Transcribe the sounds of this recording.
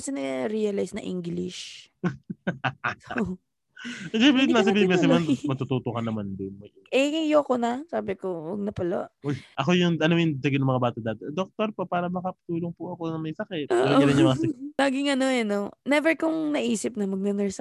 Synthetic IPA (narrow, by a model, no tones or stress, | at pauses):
ɐsɪnɛɾiɐlajsnɐ̰ʔḭŋɡlɪʃ | ɛpɾɛnas̬ɐbibɛsɪmɐnmɐt̪ut̪uːt̪okɐnɐmand̪ʊnmɐ | ʔɛɐjoːkonɐsaːbɪkowɐ̰ɡ̚nɐpɐlo̰ʔojʔɐko̞jʊŋʔɐnojʊŋd̪ɐɡɪnɐŋmɐŋabaːt̪ɐd̪aːt̪ɛd̪ok̚t̪oɾpɐpaːɾɐbɐkapɐ̥t̪uːloŋpʊʔɐkonɐŋmɐjsɐkɛt̪̚ʔoːʔɛɾɪnjʊmɐasɐlaːɡɪŋɐno̞ɐnonɛvɛɹkʊŋnɐʔiːsɪp̚nɐmɐɡ̚nɛnɛɹsɐ